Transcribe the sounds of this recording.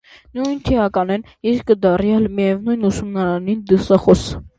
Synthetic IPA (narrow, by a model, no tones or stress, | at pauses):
nujnt̪ʰiɑkɑnɛn | iɾkəd̪ɑrjɑlmijɛvnujnusumnɑɾɑnind̪əsɑχɔs